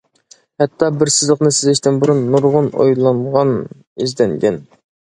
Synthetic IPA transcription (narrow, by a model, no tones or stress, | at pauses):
hɛt̪ʰːɑbɪɾsɪzlˠəqnɨsɪzɪʃt̪ɪnbuɾunːuɾʁʊno̰jlˠɑnʁɑn | izd̪ɛnɡʲɛn